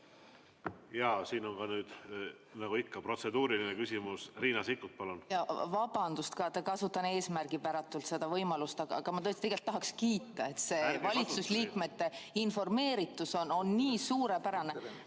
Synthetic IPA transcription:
jɑːsiːnonkɑnyːd̪̥ | nɑɡ̥uikːɑpro̞t̪se̞d̪uːɾilinekysʲimusriːnɑsikːut̪̚pɑlunjɑvɑb̥ɑnd̪ust̪kɑt̪ekɑsut̪ːˑɑnee̞ːsmærɡ̥ipæɾɑt̪ːˑult̪sed̪̥ɑvɤjmɑlust̪ɑɡ̥ɑɑɡ̥ɑmɑt̪ɤst̪ieɡe̞lt̪ːɑɦɑkskiːt̪ˑːɑe̞t̪se̞vɑlʲit̪susliːkˑme̞t̪ːe̞info̞rme̞ːɾit̪ːˑuso̞no̞nniːsuːɾe̞pæɾɑne

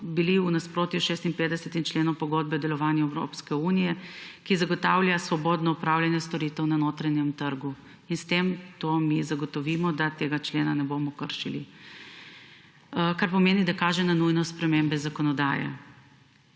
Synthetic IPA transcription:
biliunaspɾoːt̪juʃeːst̪inpeːd̪ɛsɛt̪int͡ʃleːnɔwpɔɡoːd̪̚bɛd̪ɛlɔʋaːnjuɛwɾo̰ːpskɛunijɛkizaɡɔt̪awljasʋɔbɔːd̪nɔupɾawljanjɛst̪ɔɾiːt̪ɛwnanoːt̪ɾanjɛmt̪əɾɡu | inst̪emt̪oːmizaɡɔt̪ɔʋiːmɔd̪at̪eːɡat͡ʃleːnanɛbomɔkəɾʃilḭ | kaɾpɔmeːnid̪akaːʒɛnanujnɔspɾɛmembɛzakɔnɔd̪a̰ːjɛ̰

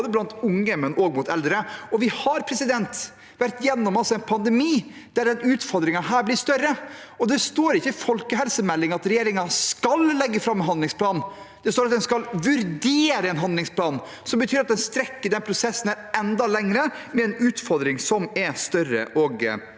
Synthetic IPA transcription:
d̪əblɑnt̪ʊŋːəmɛnʔɔɡmʊt̪ɛld̪ɾəɔʋɪhɑɾpʰɾɛsɪd̪ɛnt̪ | ʋæɾt̪jɛnːɔmɑlsɔɛnpʰɑnd̪ɛmiː | d̪̥æɖ̪ɛnʉːt̪fɔɾd̪ɾɪŋɑɦæːɾblɪst̪œɾə | ɔd̪ɛst̪oːɾɪçːəfɔlkəɦɛlsəmɛlːɪŋɑt̪ɾɛjeːɾɪŋɑskɑllɛɡːəfɾɑmːɦɑnd̪lɪŋspʰlɑːn | d̪̥ɛst̪oːɾɑt̪̚d̪ɛnskɑlʋʉɾd̪eːɾəɛnɦɑnd̪lɪŋspʰlɑːn | sɔmbət̪ʰyːɾɑt̪d̪ɛnst̪ɾɛkːəɖ̪ɛnpʰɾʊsɛsːənæ | ɛnd̪ɑlɛŋɾəmɛɛnʉːt̪fɔɾd̪ɾɪŋsɔmɛst̪œrə̰ʔɔɡ

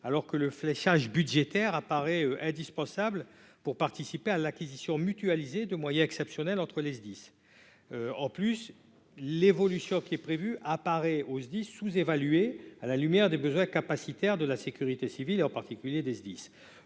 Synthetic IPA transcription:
alɔʁkələflɛʃaʒbyd̪ʒet̪ɛʁapaʁɛøʔɛ̃d̪ispɑ̃sablpuʁpaʁt̪isipealakʲizisjɔ̃myt̪yalized̪əmwajɛ̃ɛksɛpsjɔnɛlɑ̃t̪χəlezd̪is | øɑ̃plys | levɔlysjɔ̃kʲiɛpχevyʔapaʁɛozd̪isːuzevalyealalymjɛʁd̪ebəzwɛ̃kapasit̪ɛʁd̪əlasekʲyʁit̪esivileɑ̃paʁt̪ikʲyljed̪ezd̪is

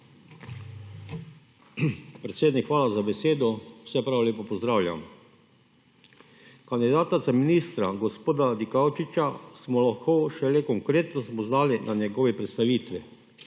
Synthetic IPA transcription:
pɾɛt̪seːd̪nikxʋaːlazabɛseːd̪ɔ̥sɛpɾaːʋoljeːpɔpɔzd̪ɾaːwlʲja̰m | kand̪id̪aːt̪at̪saminist̪ɾaɡɔspoːd̪ad̪ikawt͡ʃit͡ʃasmɔlaxkoʃɛlekɔŋkɾeːt̪nɔsmɔznaːlinʔanjɛɡɔːʋɛpɾɛt̪st̪aʋiːt̪ʋi

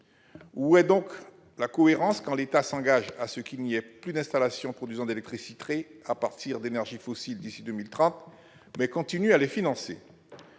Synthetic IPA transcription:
uɛd̪ɔ̃k | lakɔeʁɑ̃skɑ̃let̪asɑ̃ɡaʒasəkilniɛplyd̪ɛ̃st̪alasjɔ̃pχɔd̪yzɑ̃d̪elɛk̚t̪χisit̪χeapaʁt̪iʁd̪enɛʁʒifɔsild̪isid̪ømilt̪χɑ̃t̪ | mɛkɔ̃t̪inyalefinɑ̃sḛ

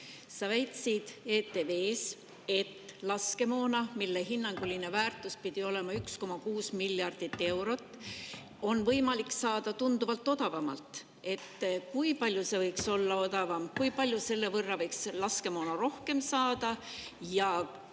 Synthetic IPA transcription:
sɑvæjt̪sid̪̥e̞ːt̪ːe̞ve̞ːs | e̞t̪ːlɑske̞mo̞ːnɑmilːeɦinːɑŋɡ̥uline̞væːrt̪ːˑuspid̪̥io̞le̞mɑyksko̞mɑkuːsmiljɑrd̪̥it̪ːe̞wɾo̞t̪ːˑ | o̞nvɤjmɑliksɑːd̪̥ɑt̪und̪uvɑlt̪ːˑo̞d̪̥ɑvɑmɑ̰lt̪ˑ | e̞t̪ːkujpɑlʲjuse̞vɤjkso̞lːɑo̞d̪ɑvɑmkujpɑlʲjuse̞lːe̞vɤrːɑvɤjkslɑske̞mo̞ːnɑɾo̞hke̞msɑːd̪̥ɑ | jɑ

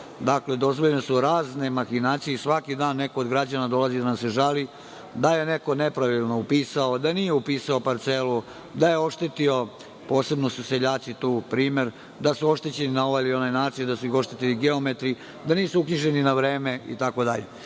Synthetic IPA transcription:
d̪akle̞d̪o̞zʋoʎnesuɾaːzne̞maxinaːt̪sijesʋakid̪aːnːe̞koːd̪ɡɾad͡ʑanad̪o̞lˠazid̪anamseʒali | d̪aje̞ne̞ko̞ne̞pɾaʋilˠno̞upiːsao̞d̪anije̞upiːsaopaɾt̪selu | d̪aje̞o̞ʃt̪e̞t̪io̞ | po̞ːse̞bnosuseʎaːt̪sit̪uːpɾiːme̞ɾ | d̪asuo̞ʃt̪e̞t͡ɕe̞ninao̞ʋajilio̞najnaːt̪sijud̪asuixo̞ʃt̪e̞t̪iliɡe̞omet̪ɾi | d̪aniːsuukɲiʒe̞ninaʋɾeːme̞ḭt̪ako̞d̪aʎe

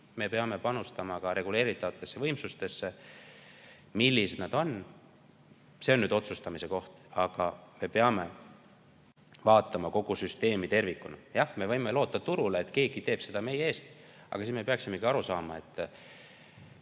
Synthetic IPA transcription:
me̞pe̞ɑme̞pɑnust̪ɑmɑkɑɾe̞ɡule̞ːɾit̪ːˑɑvɑt̪ːˑe̞sːe̞vɤjmsust̪e̞sːe̞ | milːised̪̥nɑd̪̥o̞n | se̞onːyːd̪o̞t̪sust̪ɑmise̞ko̞ht̪ɑɡ̥ɑme̞pe̞ɑme̞ | vɑːt̪ˑːɑmɑko̞ɡ̥usyst̪e̞ːmit̪e̞rvikːˑunɑjɑhme̞vɤjme̞lo̞ːt̪ːˑɑt̪uɾuleːt̪ke̞ːɡ̥it̪e̞ːb̥se̞d̪̥ɑme̞jee̞ːst̪ | ʔɑ̰ɡ̥ɑsinme̞peɑksime̞ɡiɑɾusɑːmɑe̞t̪ːˑ

